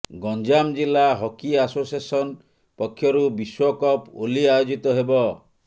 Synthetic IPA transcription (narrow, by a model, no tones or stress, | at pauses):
ɡɔnd͡ʒamd͡ʒilaɦɔkiasosesɔn | pɔkʰːjɔɾubiswɔkɔpoliajod͡ʒit̪ɔɦebɔ